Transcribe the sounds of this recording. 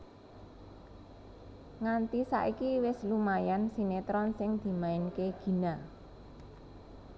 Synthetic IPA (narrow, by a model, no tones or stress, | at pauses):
ŋant̪isa̰ʔikiwɪslumajansinet̪ɾɔnsɪŋd̪̥i̤maɪnkeɡ̥i̤na